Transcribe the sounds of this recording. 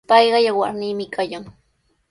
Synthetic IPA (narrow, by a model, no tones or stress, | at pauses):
pɑjɢɑjawa̰ɾniːmɪkʰajaŋ